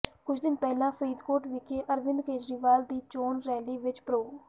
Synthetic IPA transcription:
kʊt͡ʃʰd̪ɪnpɛːlãːpʰəɾiːd̪koːʈʋɪkeːʔəɾʋɪ̃nd̪keːd͡ʒɾiːʋaːld̪iːt͡ʃoːnɾɛːliːʋɪt͡ʃpɾoː

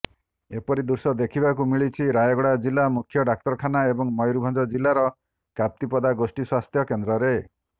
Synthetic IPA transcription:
epɔɾid̪uɾsɔd̪ekʰibakumiɭit͡ʃʰiɾajɔɡɔɽad͡ʒilːamukʰjɔɖak̚t̪ɔɾɔkʰanaebɔŋmɔjɾubʱand͡ʒɔd͡ʒilːaɾɔ | kap̚t̪ipɔd̪aɡosʈiswast̪ʰjɔkend̪ɾɔɾe

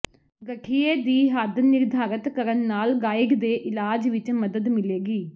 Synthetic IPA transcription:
ɡəʈʰieːd̪iːɦaːd̪nɪɾd̪ʱaːɾət̪kəɾənːaːlɡaːjiɡd̪eːʔɪlaːd͡ʒʋɪt͡ʃməd̪əd̪mɪleːɡiː

